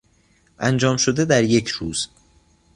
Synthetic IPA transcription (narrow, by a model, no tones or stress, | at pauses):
ʔænd͡ʒɒːmʃod̪ed̪æɾjecʰɾuːz̥